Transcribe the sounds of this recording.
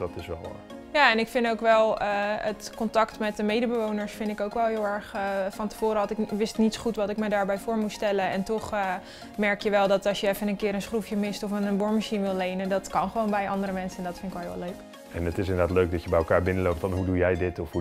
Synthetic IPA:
d̥ɑtɪsʋɛ̰lˠ | jaːɛnɪkfɪndowkʋɛlˠəətkɔntɑktmɛt̚dəmejdəbəʋownəɹsfɪndɪkowkʋɛlˠɦɪːlˠɛɹχəfɑntə̥v̥oːɾəɑtɪkʋɪstnitsχutʋɑtɪkmədaːɹbɛjfʊːɹmutstɛlənɛntɔχə | mɛɹkjəʋɛlˠdɑtɑsjəɛfənənkɪːɾənsχrufjəmɪstɔfənənbɔɹməʃinʋɪlˠlejnədɑtkɑnχəʋownbɛjʔɑndəɾəmɛnsəɛndɔtfɪntɪkʋɔlˠɦʋ̰løɥk | ɛnətɪs̬ɪnədaːtløɥk̚dɑtjəbɛjlˠkaːɹbɪnəlowp̚tfɑnɦudujɛjdɪtɔfhu

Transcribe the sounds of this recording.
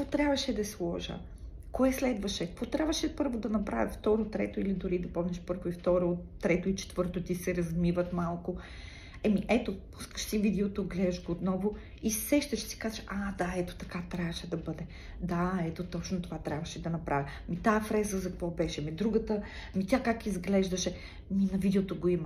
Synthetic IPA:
kəkvɔt̪ɾʲjabvɐʃɛd̪ɐslˠɔʒə̰ | koɛslɛd̪vɐʃɛkkvɔt̪ɾʲabvɐʃɛpɤɾvod̪ɐnɐpɾa̰vʲə̰t̪ft̪ɔɾot̪ɾɛt̪oilid̪ʊɾid̪ɐpɔmnɛʃpɤɾvoift̪ɔɾot̪ːɾɛt̪oit͡ʃɛ̥t̪vɤɾt̪ot̪isɛɾɐzmivət̪malˠko | ɛmiʔɛt̪opuskə̥ʃsivid̪ɛot̪oɡlɛd̪ʒɡoot̪nɔvo | isɛʃt̪ɐʃsi̥kazəʃad̪aɛt̪o̥t̪ɐkat̪ɾʲavɐʃɛd̪ɐbɤd̪ɛ | d̪aɛt̪ot̪ɔt͡ʃnot̪ovat̪ɾʲabvɐʃɛd̪ɐnɐpɾʔa̰vʲi | mit̪aɛfɾɛzəzɐkkvɔbɛʃɛmid̪ɾuɡət̪ə | mit̪ʲakakizɡlɛʒd̪ɐʃɛ | minɐvid̪ɛot̪oɡoimɐ

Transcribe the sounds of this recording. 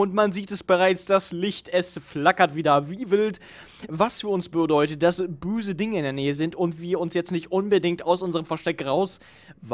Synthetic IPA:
ʊntmanziːtɛsb̥əʁaɪt͡sd̥aslɪçtʔɛsflakɐtv̥iːdɐviːvɪlt | vasfyːɐʊnsb̥ədɔʏtət̚d̥asb̥øːzədɪŋəɪndeːɐneːəzɪntʊntv̥iːɐʊnsjɛt͡stnɪçtʔʊnbədɪŋtaʊsʔʊnzəʁəmfɛɐʃtɛkʁaʊs | v

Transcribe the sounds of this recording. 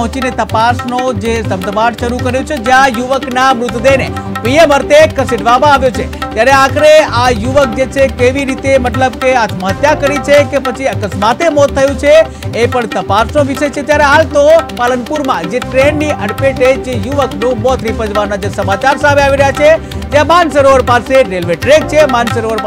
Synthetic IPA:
ɦɔ̃t͡ʃinet̪əpasnod͡ʒesəbd̪ʱəbaʈʃəɾukəɾjõt͡ʃʰed͡ʒjãjuʋəknamɾʊt̪d̪ene | pieməɾt̪ekəsiɖʋamãːʋjot͡ʃʰet̪jaɾeakʰɾeajuʋək̚d͡ʒet͡ʃʰekeʋiɾit̪emət̪ləb̚keat̪məɦət̪jakəɾit͡ʃʰekepət͡ʃʰiəkəsmat̪emɔt̪ʰːəjõt͡ʃʰeː | pəɳt̪əpasnoʋiʃəjt͡ʃʰet̪jaɾeɦalt̪opalənpuɾmãd͡ʒeʈɾenːiʔəɽpeʈed͡ʒejuʋəknũmɔt̪ʰɾipəd͡ʒʋannad͡ʒəsəmat͡ʃaɾsameaʋiɾəɦjat͡ʃʰet̪jãmansəɾoʋəɾpaseɾelʋeʈɾek̚t͡ʃʰemansəɾoʋəɾ

